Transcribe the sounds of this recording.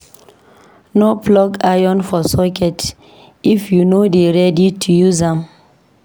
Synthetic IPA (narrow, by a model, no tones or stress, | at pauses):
noplɔɡajɔ̃nfɔsɔkɛt | ifjunodeɹɛditʰujuzãm